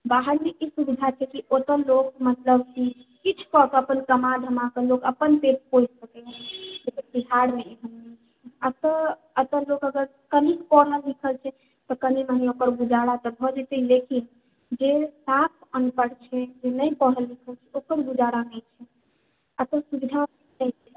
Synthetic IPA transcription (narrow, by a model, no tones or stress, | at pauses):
baɦəɽmeʔisubid̪ʱat͡ʃʰɛkiʔot̪əɾlok̚mət̪ləbkikit͡ʃʰkɔk̪əpənkəmad̪ʱəmãkəlokəpənpeʈ̚pod͡ʒsəkɛɦɛd͡ʒekəpiɦaɽmeeɦənːɛt͡ʃʰ | at̪ɔ | ət̪əɾlokəɡəɾ | kənikpəɽəlːikʰəlt͡ʃʰɛ | t̪ɔkəniməneokəɾɡud͡ʒaɽat̪ɔbʱɔd͡ʒɛt̪əilekin | d͡ʒesapʰənupəɽt͡ʃʰɛd͡ʒenəjpəɦəlːikʰəlt͡ʃʰɛokəɾbud͡ʒaɽanəjt͡ʃʰɛ | ət̪əsubid̪ʱa | nəjt͡ʃʰɛ